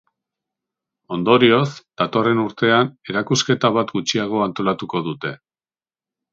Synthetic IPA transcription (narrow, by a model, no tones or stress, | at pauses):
o̞nd̪o̞ɾio̞zd̪̥at̪o̞re̞nuɾt̪e̞ane̞ɾakuske̞t̪aβ̞at̪ɡut͡ʃiaɣ̞o̞ant̪o̞lat̪uko̞ðut̪e̞